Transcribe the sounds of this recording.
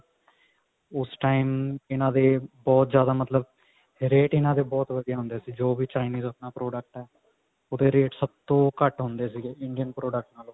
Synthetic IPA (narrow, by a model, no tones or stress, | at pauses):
ʊsʈaːimɪnãːd̪eːbɔːt̪zjaːd̪aːmət̪ləb | ɾeːʈɪnãːd̪eːbɔːt̪ʋəd̪ijaːɦʊ̃nd̪eːsiːd͡ʒoːbiːt͡ʃaːɪniːzəpnaːpɾoːɖək̚ʈɛː | oːd̪eːɾeːʈsəb̚t̪õːkəʈɦʊ̃nd̪eːsiːɡeːɪɳɖijənpɾoːɖək̚ʈnaːloː